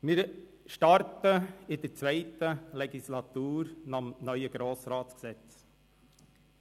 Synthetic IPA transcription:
mɪːɾ | ʃtɑɾtəɪd̥̪əɾt͡svɛɪtəlɛɡislɑt̪uːɾnɑmnœʏəɡ̥ɾoːsɾɑːtt͡sksɛt͡s

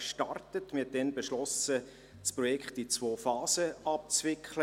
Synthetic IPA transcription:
ʃtɑrtətmɪɛt̚d̥ɛnbeʃlɔsə | spɾɔjɛkχtit͡svoːfɑːsəɑp̚t͡svɪkʰχlə

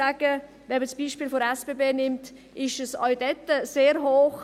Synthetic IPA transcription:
aɡ̥ə | vɛməsb̥iːʃpiːlfoɾɛsb̥eːbeːnɪmt | ɪʃəsɑʏdɛtəseːɾɦoːχ

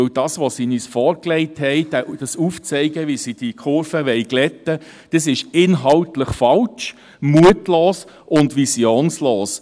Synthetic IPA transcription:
wd̥ɑːsʋɔsiːnyːsfɔːɾklɛɪthɛɪd̥æd̥ɑsuːft͡sɛɪɡəʋisid̥ikʰʊɾfəʋɛɪɡlɛtəd̥ɑsɪʃɪnɦɑltləχfɑlt͡ʃ | muətloːs | ʔʊndʋisjoːnsloːs

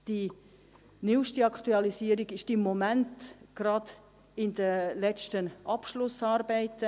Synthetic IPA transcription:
d̥i | nyːʃtiɑktuɑlisiːəɾiɡɪʃd̥imːomæntɡ̥ɾɑd | ɪnd̥̪əlɛt͡ʃtənʔɑpʃlʊsɑːɾbɛɪtə

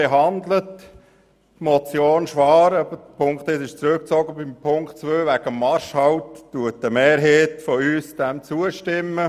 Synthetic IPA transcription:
eɦɑnd̪lət | mɔt͡sjoːnʃʋɑːɾɑbədəpʰʊŋkt̪ɪtɪʃt͡sɾøk̚t͡sɔɡəbɪmpʰʊŋkt͡sʋøːʋæɡ̥əmːɑɾʃhɑwtːuətəmeːɾɦeːtfɔyːsd̥ɛmt͡suəʃtɪmːə

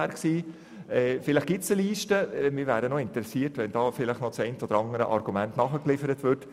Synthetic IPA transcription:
æːɾksiː | ɛːfɪlɪχɡ̥ɪtsəliːʃtəɛmɪːɾvæːɾənoɪntəɾɛsiːtʋɛnd̥ɑːfɪləχnɔt͡sɛɪntəɔdəɾɑŋəɾə̰ʔɑɾɡ̥umæntnɑχəklɪfəɾətʋʏɾt

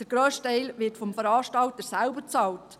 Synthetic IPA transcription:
dəɾɡ̥ɾøːstɛɪlʋɪtfɔmfəɾɑːʃtɑlt̪əɾsælbəɾt͡sɑːlt

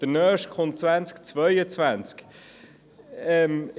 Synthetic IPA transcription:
d̥ənœːʃkχʊnt̚t͡svænt͡skt͡svœʏət͡svænt͡sk | ɛm

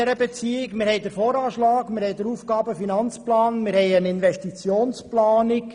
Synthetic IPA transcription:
ɛɾəbet͡siːɪkmɪɾhɛɪd̪əɾfoːɾɑːʃlɑːkmɪɾhɛɪdəɾufɡɑːbəfinɑnt͡splɑːnmɪɾhɛɪənɪnvɛʃtit͡sjoːnsplɑːnɪk

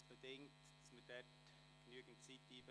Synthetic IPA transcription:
b̥ədɪŋtd̥sməd̥ɛt | ɡ̥nyəɡn̩tt͡siːtiːbə

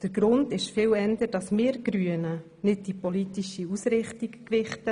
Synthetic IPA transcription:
d̥əɾɡɾʊndɪʃfɪːwɛndəɾdɑsmeːɾɡ̥ɾyənə | nɪd̚dipolitiʃiusɾɪχtikkʋɪχtə

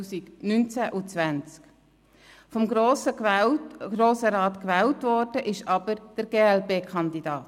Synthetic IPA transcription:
siɡ̥nynt͡sæʔut͡sʋænt͡sk | fɔmɡosə | ɡɾoːsəɾɑːt̪kʋɛːltʋɔɾd̥əʔɪʃɑb̥əɾd̥əɾɡ̥eːɛlbeːkʰɑnd̪id̥ɑːt

